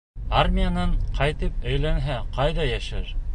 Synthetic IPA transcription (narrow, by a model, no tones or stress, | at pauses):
armʲijanɤɴqʰɑjt̪ɘp̚æjlænɦæqɑjðɑjæʃæɾ